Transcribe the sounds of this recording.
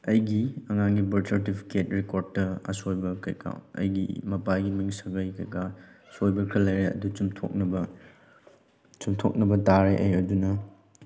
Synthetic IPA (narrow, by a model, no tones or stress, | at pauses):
ɐjɡiɐŋaŋɡibɐɾsɐɾtipʰi̥ketɾekoɾd̚ːɐɐ̰sojbɐkɐ̰jka̰wɐ̰jɡḭmɐpaɡimiŋsɐɡɐjkɐjkasojbɐkʰɐlɐjɾeɐ̰dut͡ʃumtʰo̰k̚nɐbɐ | t͡ʃumtʰo̰k̚nɐbɐtaɾeʔɐ̰jɐdunɐ